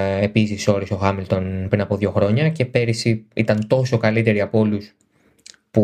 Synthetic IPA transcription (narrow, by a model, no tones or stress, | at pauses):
e̞pisiso̞ɾiso̞xɐmilt̪o̞npɾinɐpo̞ðʝo̞xɾo̞ɲɐce̞pe̞ɾisiit̪ɐnt̪o̞so̞kɐlit̪e̞ɾiɐpoo̞lus | pu